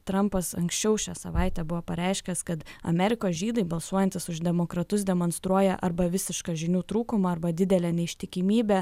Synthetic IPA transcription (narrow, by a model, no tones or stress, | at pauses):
t̪ɾɐmpɐsɐ̰ŋksʲt͡ʃʲɛʊʃʲæːsɐ̰ʋɑˑɪt̪ʲɛbʊʋoːpɐɾʲɛɪʃʲkʲɛskɐt̪ɐ̰mʲɛɾʲɪkoːsʒʲiːd̪ɐɪbɐlˠsuɔjɛnʲt̪ʲɪsʊʒd̪ʲɛmoːkɾɐt̪ʊsd̪ʲɛmoːnst̪ɾuɔjɛʔɐɾbɐʋʲɪsʲɪʃkɑːʒʲɪnʲuːt̪ɾuːkʊmɐɐɾbɐd̪ʲɪd̪ʲɛlʲæːnʲɛɪʃʲt̪ʲɪkʲɪmʲiːbʲɛ